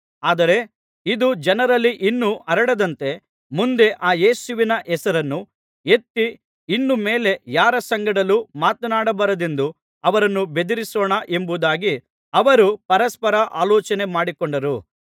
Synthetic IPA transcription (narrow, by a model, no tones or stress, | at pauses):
aːd̪ɐɾe̞ | id̪ud͡ʒɐnɐɾɐlːiʔinːuʔɐɾɐɽɐd̪ɐnt̪e̞ | mund̪e̞ʔaːje̞ːsuʋinɐʔɛsɐɾɐnːu | et̪ːi | inːume̞ːle̞jaːɾɐsɐŋɡɐɽɐlumaːt̪ɐnaːɽɐbɐɾɐd̪e̞nd̪u | ɐʋɐɾɐnːube̞d̪iɾisoːɳɐʔe̞mbud̪aːɡi | ɐʋɐɾupɐɾɐspɐɾɐʔaːlɔːt͡ʃɐne̞maːɽikoɳɖɐɾu